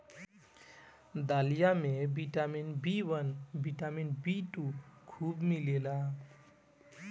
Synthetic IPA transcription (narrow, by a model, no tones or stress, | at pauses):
d̪alijamebiʈaminbiwʌnbʱiʈaminbiʈukʰubmilela